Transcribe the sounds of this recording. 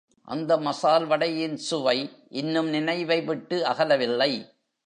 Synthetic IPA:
ʔɐ̰nd̪ɐmɐsaːlʋɐɽɐjɪnsʊʋɐɪʔɪnːɯmnɪnɐɪʋɐɪʋɪʈːɯɐɣɐlɐʋɪlːɐɪ

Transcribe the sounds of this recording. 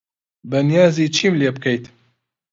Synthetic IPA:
bɐnijɑːziːt͡ʃʰiːmleːb̚kʰɛjt̪

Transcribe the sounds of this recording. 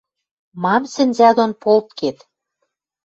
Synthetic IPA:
mɑmsɘ̆nʲzæd̪onpolt̪̚ket̪

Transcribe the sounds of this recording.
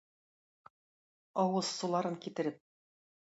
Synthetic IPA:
ɑwɤsːulˠɑɾɤŋkit̪ɘ̆ɾɘp̚

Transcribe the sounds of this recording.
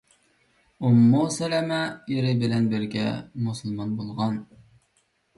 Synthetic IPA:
umːusɛlɛmɛjeɾɪbɪlɛnbɪɾɡʲɛ̰musɨlˠmɑnbolˠʁɑn

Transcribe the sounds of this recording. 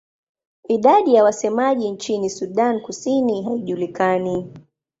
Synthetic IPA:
iɗaɗijawasɛmaʄint͡ʃinisuɗankusiniɦaiʄulikani

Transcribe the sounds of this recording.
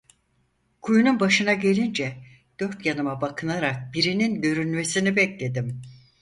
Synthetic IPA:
kʰujununbaʃɯnaɟe̞lʲind͡ʒɛ | d̪̥ø̞ɾt̪janɯmabakʰɯnaɾak̚biɾininɟø̞ɾynme̞sinibɛclʲe̞d̪im

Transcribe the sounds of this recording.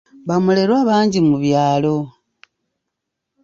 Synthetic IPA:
βamule̞ɾwaːβaːɲɟimuβjaːlo̞

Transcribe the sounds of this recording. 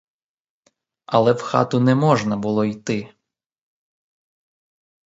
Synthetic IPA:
ɐlˠɛwxɑ̰t̪ʊnɛmɔʒnɐbʊlˠɔijt̪ɪ

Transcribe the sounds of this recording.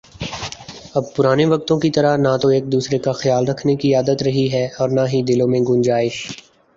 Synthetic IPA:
ɐb̚pʊɾaːneʋɐk̚t̪õkit̪ɐɾanat̪oeːk̚d̪uːsɾekaxjaːlɾɐkʰnekiaːd̪ət̪ɾɐɦiɦɛɔːɾnaɦid̪ɪlõmẽɡʊ̃nd͡ʒaːeː

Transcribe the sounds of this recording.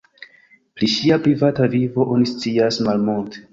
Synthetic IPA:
pɾiʃiapɾivatavivo̞ʔo̞nist͡siasmalmultʰe̥

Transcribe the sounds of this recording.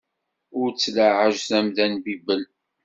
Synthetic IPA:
ʊɾt͡sːləʕəʒθæmðænbibəl

